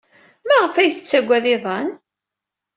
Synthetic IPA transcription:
mæʁəfæjθə̥t͡sːæɡʷæðɪðˤɑn

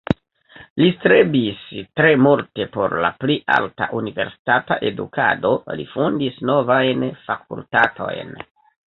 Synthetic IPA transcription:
listɾebistɾe̞molte̞po̞ɾla̰pliʔa̰lta̰ʔunive̞ɾsi̥tataʔe̞dṵkʰa̰do̞lḭfundisno̞vajnfak̚ultato̞̰jn

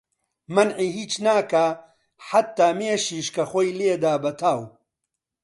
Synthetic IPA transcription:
mɐnʕiːɦiːt͡ʃnaːka | ħat̪ːaːmeːʃiːʃkɐxoːjleːd̪aːbɐt̪ʰaːw

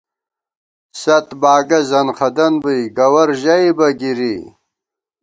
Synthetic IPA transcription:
sɐt̪baːɡɐzɐnχɐd̪ɐnbujɡɐwɐɾʑajbɐɡiɾi

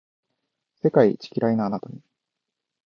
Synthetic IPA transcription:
se̞kait͡ɕi̥kʲiɾainaːnat̪aɲʲi

